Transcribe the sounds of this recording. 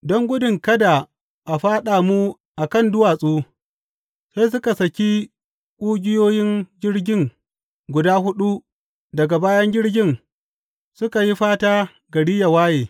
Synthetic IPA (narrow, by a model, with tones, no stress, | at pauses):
dɔ˦ŋɡʷʊ˦dɪ˨ŋkɐ˦da˨ | ʔa˨ɸaː˦ɗaː˨mu˦ | ʔa˨kɐ˦˨ndʊ˦waː˨sʼuː˦ | sa˦js̬ʊ˦ka˨sɐ˨kʲi˦ | kʷʼʊː˦ɡʲɪ˦joː˦jɪ˦ŋɡʲɪ˦ɽɡʲɪ˦˨ŋ | ɡʷʊ˨daː˦ɦʊ˦ɗu˦ | dɐ˨ɡa˨baː˦jɐ˦ŋɡʲɪ˦ɽɡʲɪ˦n | sʊ˦ka˨ji˦ɸaː˦taː˦ | ɡɐ˨ɽi˦ja˨waː˦jeː˨